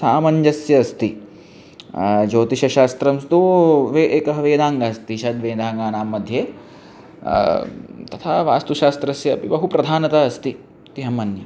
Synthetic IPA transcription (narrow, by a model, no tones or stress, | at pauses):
saːmɐɲd͡ʒɐsjɐːst̪i | d͡ʒoːt̪iʃɐʃaːst̪ɾɐmst̪uʋeːʔeːkɐɦɐʋeːd̪aːŋɡaːst̪iʃɐd̪ʋeːd̪aːŋɡaːnaːmːɐd̪ʱjeː | t̪ɐt̪ʰaːʋa̰ːst̪uʃaːst̪ɾɐsjɐːpibɐɦupɾɐd̪ʱaːnɐt̪ɐɐst̪i | t̪iɦɐmɐnjɐ